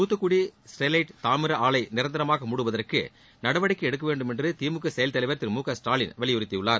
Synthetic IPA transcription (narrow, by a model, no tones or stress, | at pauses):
puːt̪ːɐkːʊɽisʈɛlɐɪʈt̪aːmɪɾɐʔaːɭɐɪnɪɾɐnd̪ɪɾɐmaːɣɐmʊɽɯʋɐðɐrkɯ̰ | nɐɽɐʋɐɽɪkːɯɛɽɯk̬ːɐʋeːɳɖɯmɛndrɯt̪iːmɯkːɐsɛjɐlt̪ɐlɐʋɐɾt̪ɪɾmuːkɐsʈaːlɪnʋɐɭɪjʊɾɪt̪ːɐjɯɭːaːɾ